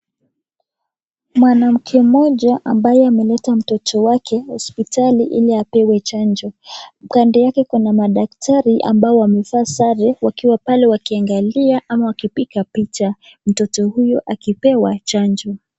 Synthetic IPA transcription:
mwanam̩kʰɛmɔʄaʔambajɛamɛlɛtam̩tɔtʰɔwakʰɛhɔspitaliʔḭliapɛwɛt͡ʃand͡ʒɔm̩kandɛjakɛkunamaɗak̚tʰaɾiʔa̰mbaɔwamɛfasaɾɛwakiwapalɛwakiaŋɡaliaʔamawakipikapit͡ʃa | m̩tɔtɔhujɔʔakipɛwat͡ʃand͡ʒɔ

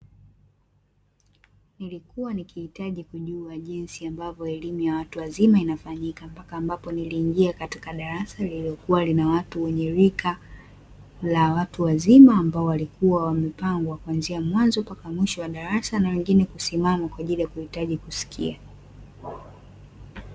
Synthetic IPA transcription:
nilikuwanikihitaʄikuʄuaʄinsiambavɔɛlimujawatuwazimainafaɲikampakaːmbapɔniliːŋɡiakati̥kaɗaɾasaliliɔkuwalinawatuwɛɲɛɾikʰa | lawatuwazimaːmbaɔwalikuwawamɛpaŋɡwakwanziamwanzɔpakamwiʃɔwaɗaɾasanawɛŋɡinɛkusimamakwaʄilijakuhitaʄikusi̥kʰḭa

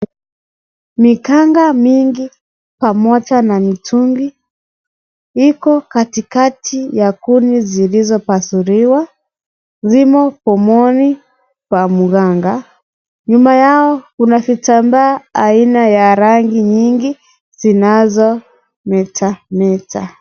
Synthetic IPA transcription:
mikaŋɡamiŋɡi | pamɔt͡ʃanamitʰuŋɡi | ikɔkatikatʰijakunizilizɔpasuɾiwa | zimɔpɔmɔni | kwamuɣaŋɡa | ɲumajaɔkunafitambaːinajaɾaŋɡiɲiŋɡi | z̥inazɔ | mɛtʰamɛta

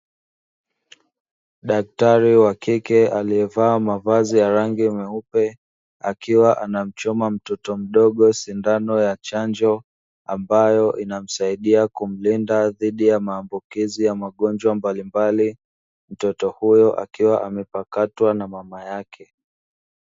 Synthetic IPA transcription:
ɗak̚taɾiwakikɛaliɛvaːmavazijaɾaŋɡimɛupɛ | akiwaʔanam̩t͡ʃɔmam̩tɔtɔm̩ɗɔɠɔsindanɔjat͡ʃand͡ʒɔ | ambajɔʔinam̩saiɗiakum̩lindaðiɗijamaːmbukizijamaɠɔnd͡ʒwambalimbali | m̩tɔtɔhujɔʔa̰kiwaʔamɛpakatwanamamajakʰɛ

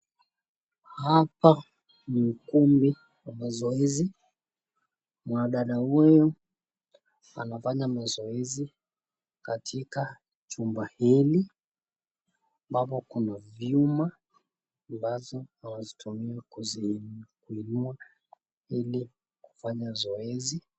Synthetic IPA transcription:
hapa | nikumbi | wamazɔɛzi | mwaɗaɗahujɔ | anafaɲamazɔɛzi | katʰika | t͡ʃumbahili | ambapɔkunavjumaː | mbazɔanazitʰumiakuzikuinua | ili | ku̥faɲazɔɛzi

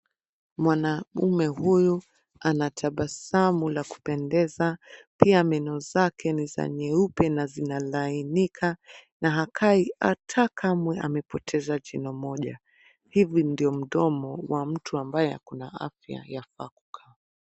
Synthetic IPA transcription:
mwanaumɛhuju | anatʰaɓasamulaku̥pɛndɛzapiamɛnɔzakʰɛniza̰ɲɛupɛnazinalainikʰanaɦakʰaiatʰakʰamwɛʔa̰mɛpɔtʰɛzad͡ʒinɔmɔʄa̰ | hivindiɔm̩ɗɔmɔwam̩tʰuambajɛa̰kunaa̰fja̰jafakukʰa

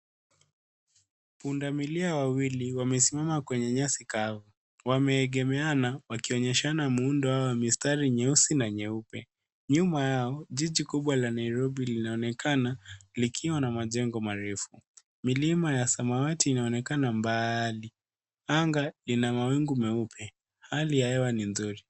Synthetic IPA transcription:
pundamiliawawiliwamɛsimamakwɛɲɛɲasikavu | wamɛːɠɛmɛanawakiɔɲɛʃanamuundɔawamistaɾiɲɛusinaɲɛupɛ | ɲumajaɔʄiʄikuɓwalanaiɾɔɓilinaɔnɛkʰanalikʰiwanamaʄɛŋɡɔmaɾɛfu | milimajasamawatiːnaɔnɛkanambali | aŋɡalinamawiŋɡumɛupʰɛ | halijahɛwaninzuɾi

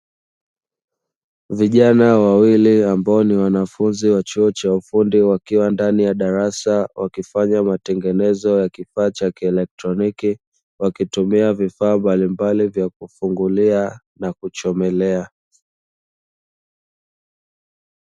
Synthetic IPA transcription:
viʄanawawiliambaɔniwanafunziwat͡ʃuɔt͡ʃaufundiwakiwandanijaɗaɾasawʔakifaɲamatɛŋɡɛnɛzɔjakifaːt͡ʃakiɛlɛk̚tɾɔniki | wakitumiavifaːmbalimbalivjak̚ufuŋɡulia | nakut͡ʃɔmɛlɛa

